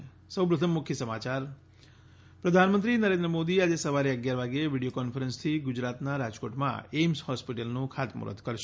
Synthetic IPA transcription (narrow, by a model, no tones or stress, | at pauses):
səwp̬ɾət̪ʰəmːʊkʰjəsəmat͡ʃaɾ | pɾəd̪ʱanmənt̪ɾinəɾẽnd̪ɾəmod̪iad͡ʒesəʋaɾiəɡjaɾʋaɡeeʋiɽijokɔnfəɾənst̪ʰiɡʊd͡ʒɾat̪naɾad͡ʒkoʈmã̰emshɔspiʈəlnũkʰat̪mṵɾə̰t̪kəɾʃ